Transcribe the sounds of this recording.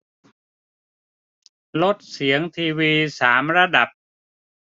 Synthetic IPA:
lo˦˥t̪̚si˩˦əŋt̪ʰiː˧wiː˧saː˩˦mɾa˧da˨˩p̚

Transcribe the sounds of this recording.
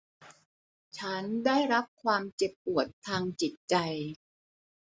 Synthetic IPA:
t͡ɕʰa˦˥ndaː˥˩jɾa˦˥p̚kʰwaː˧mt͡ɕe˨˩pːu˨˩ət̪ʰːaː˧ŋt͡ɕi˨˩t̪̚t͡ɕa˧j

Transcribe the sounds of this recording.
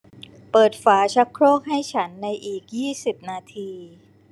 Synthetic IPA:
pɤː˨˩t̪̚faː˩˦t͡ɕʰa˦˥kʰɾɔː˥˩k̚ɦa˥˩jt͡ɕʰa˦˥nːa˧jʔiː˨˩k̚jiː˥˩si˨˩p̚naː˧t̪ʰiː˧

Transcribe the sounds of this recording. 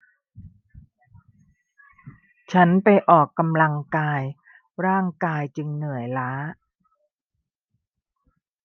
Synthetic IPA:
t͡ɕʰa˦˥npa˧jʔɔː˨˩kːa˧mla˧ŋkaː˧j | ɾaː˥˩ŋkaː˧jt͡ɕɯ˧ŋnɯ˨˩əjlaː˦˥

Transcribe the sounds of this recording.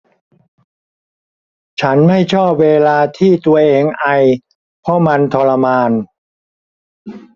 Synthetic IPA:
t͡ɕʰa˦˥nma˥˩jt͡ɕʰɔː˥˩p̚weː˧laː˧t̪ʰiː˥˩t̪u˧ɐʔeː˧ŋʔa˧j | pʰɔ˦˥ma˧nt̪ʰɔː˧la˧maː˧n

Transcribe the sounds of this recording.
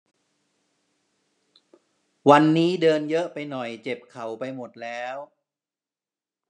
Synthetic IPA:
wa˧nːiː˦˥dɤː˧njɤ˦˥ʔpa˧jnɔ˨˩jt͡ɕe˨˩p̚kʰa˨˩˦wpa˧jmo˨˩t̪̚lɛː˦˥w

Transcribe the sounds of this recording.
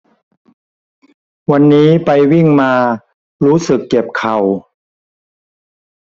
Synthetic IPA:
wa˧nːiː˦˥pa˧jwi˥˩ŋmaː˧ | ɾuː˦˥sɯ˨˩kːe˨˩p̚kʰa˨˩w

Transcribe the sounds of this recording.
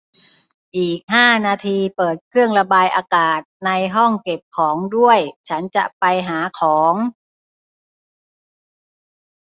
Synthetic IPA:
ʔiː˨˩k̚ɦaː˥˩naː˧t̪ʰiː˧pɤː˨˩t̪̚kʰɾɯ˥˩əŋɾa˧baː˧jʔaː˧kaː˨˩t̪̚na˧jɦɔ˥˩ŋke˨˩p̚kʰɔː˩˦ŋdu˥˩əjt͡ɕʰa˦˥nt͡ɕa̰˨˩ʔpa˧jɦaː˩˦kʰɔː˩˦ŋ

